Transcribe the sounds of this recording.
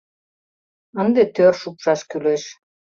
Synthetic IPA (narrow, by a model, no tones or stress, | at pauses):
ənd̪et̪ørʃupʃɑʃkyleʃ